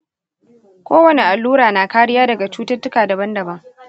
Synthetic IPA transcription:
kʷoː˦wɐ˨ne˨ʔa˨lːuː˦ɾaː˨naː˨kaː˦ɽɪ˦jaː˦dɐ˨ɡa˨t͡ʃuː˦tɐ˦rtʊ˦kaː˨dɐ˨bɐ˦ndɐ˨bɐ˦ŋ

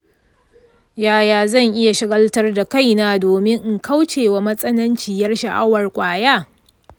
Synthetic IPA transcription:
jaː˦jaː˨zɐ˦˨ŋʔɪ˦ja˨ʃɪ˦ɡɐ˦ltɐ˦rda˨ka˦jnaː˦doː˨mɪ˦ŋʔŋkʰa˦wt͡ʃeː˨wa˦mɐ˦sʼɐ˦nɐ˦nt͡ʃiː˨jɐ˦rʃa˨ʔa˦wɐ˨rkʷʼaː˨jaː˦

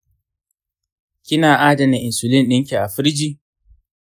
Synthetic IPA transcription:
kʲɪ˦naː˨ʔaː˦dɐ˨nɪ˨ʔɪ˨nsʊ˨lɪ˦nɗɪ˦ŋkʲi˨ʔa˨ɸɪ˦ɾd͡ʒiː˦

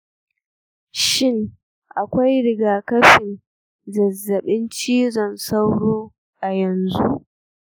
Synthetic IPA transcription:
ʃɪ˦˨ŋ | ʔa˨kʷa˦jɽɪ˦˨ɡaː˨kɐ˦ɸɪ˨n | zɐ˨zːɐ˨ɓɪ˦nt͡ʃiː˦zɔ˨nsa˦wɽoː˦ | ʔa˨jɐ˨nzṵ˦ʔ

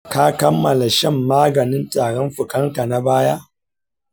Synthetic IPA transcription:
ka˦kɐ˦mːɐ˨la˨ʃɐ˦˨mːaː˦ɡɐ˨nɪ˦ntʼaː˨ɽɔ˦mɸʊ˨kɐ˦ŋka˨na˦baː˦ja˦ʔ

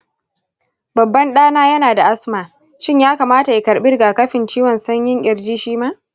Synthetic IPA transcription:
bɐ˨bːɐ˦nɗaː˦naː˦jɐ˦naː˨da˨ʔa˦smaː˨ | ʃɪ˦ɲjaː˦kaː˨maː˦ta˨ji˨kɐ˨ɾɓɪ˦rɡaː˨kɐ˦ɸɪ˨nt͡ʃiː˦wɔ˨nsɐ˦ɲjɪ˦ŋʔʲʼɪ˨ɾd͡ʒiː˦ʃiː˦maː˦ʔ

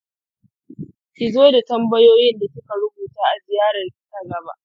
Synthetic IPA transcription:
kʲɪ˨zoː˦da˨tɐ˦mbɐ˦joː˦jɪ˦nda˨sʊ˦ka˨ɽʊ˦buː˨taː˦ʔa˨zɪ˨jaː˦ɽɐ˨rkʲɪ˦kɐ˦ɡɐ˨ba̰ː˦ʔ

